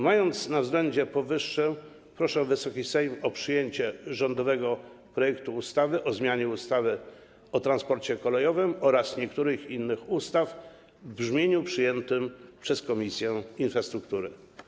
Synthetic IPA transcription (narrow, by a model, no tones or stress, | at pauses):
majɔnt̪snavzɡlɛɲd͡ʑɛpɔvɘʂːɛ | pɾɔʂɛvɘsɔkʲisɛjmɔpʂɘjeɲt͡ɕɛʐɔnd̪ɔvɛɡɔ | pɾɔjɛkt̪uːst̪avɘʔɔzmʲjaɲɛust̪avɘ | ɔt̪ɾanspɔɾt͡ɕɛkɔlɛjɔvɘmɔɾasɲɛkt̪uɾɘxinːɘxust̪af | bʐmʲjeɲupʂɘjɛnt̪ɘmpʂɛskɔmʲisʲjɛinfɾast̪ɾukt̪uɾɘ